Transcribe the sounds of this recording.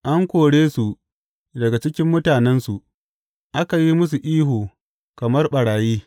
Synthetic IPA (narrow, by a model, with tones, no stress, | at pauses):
ʔa˦ŋkʷoː˨ɽeː˦su˨ | dɐ˨ɡa˨t͡ʃɪ˦kʲɪ˦mːʊ˦taː˨nɛ˦nsu˨ʔ | ʔa˦ka˨ji˦mʊ˦s̬u˨ʔiː˦ɦuː˨ | kɐ˨mɐ˦rɓɐ˨ɽaː˨jiː˦